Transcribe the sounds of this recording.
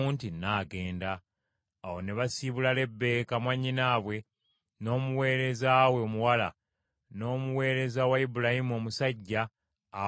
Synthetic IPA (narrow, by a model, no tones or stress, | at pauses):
uːntinaːɡe̞ːndaː | wo̞ne̞βasiβulale̞bːe̞kamwaɲːinaːβwe̞ | no̞ːmuwe̞ːɾe̞zawe̞omuwala | no̞ːmuwe̞ːɾe̞zawaibulahimo̞ːmusaɟːaː